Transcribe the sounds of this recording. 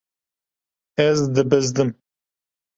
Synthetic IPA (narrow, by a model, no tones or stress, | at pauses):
ɛzd̪ɨbɨzd̪ɨm